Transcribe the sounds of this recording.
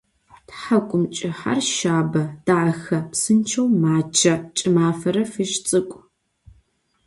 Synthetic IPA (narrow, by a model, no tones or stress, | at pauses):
tħakʷʼʊmt͡ʃʼɪħa̰rʃaːbɐd̥aʕɐxɐpsɨnt͡ʃʰɐwmaːt͡ʃʰɐt͡ʃʼɪmaːfɐɾɐfɨʃt͡sʼɨkʷʼ